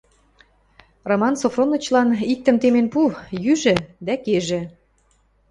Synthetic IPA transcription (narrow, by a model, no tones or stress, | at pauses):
romɑnsofronːɤ̆t͡ɕlɑnik̚t̪ə̆mt̪emenpujyʒĕd̪ækeʒĕ